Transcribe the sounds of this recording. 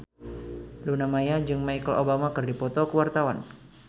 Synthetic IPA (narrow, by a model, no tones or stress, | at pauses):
lunamajad͡ʒɨŋmaikəlobamakɨrdipɔt̪ɔkəwart̪awan